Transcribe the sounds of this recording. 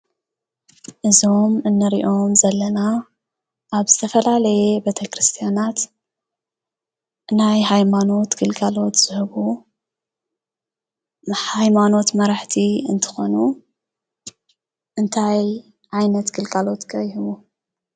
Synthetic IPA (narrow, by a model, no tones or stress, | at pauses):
ʔɨzomɨnːɨɾiʔo̞mzɐlːɐna | ʔaβzɨt̪ʰɐfɐlalɐjebet̪ʰɐkɾɨst̪ʰijanat̪ | najɦajmano̞t̪ɡɨlɡʼalo̞t̪z̥ɨhɨβu | ħajmano̞t̪mɐɾaħt̪ʰiɨnt̪ʰɨ̥xo̞nu | ʔɨnt̪ʰaj | ʕajnɐt̪ɡɨlɡʼalo̞t̪kʰʼɐjɦɨβu